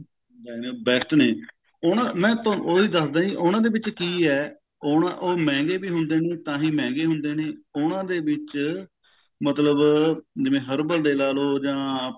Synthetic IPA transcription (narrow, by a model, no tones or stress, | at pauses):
nd̪aːnebɛːsʈ̪neː | onãːmɛ̃ːt̪ooːiːd̪əsd̪ãːiʔʊnãːd̪eːbɪt͡ʃkiːɛː | oːnã̰ʔoːmɛ̃ːŋɡeːbiːɦʊnd̪eːneːt̪ãːɦiːmɛ̃ːŋɡeːɦʊnd̪eːneːonãːd̪eːʋɪt͡ʃ | mət̪ləbd͡ʒɪʋẽːɦəɾbəld̪eːlaːloːd͡ʒãː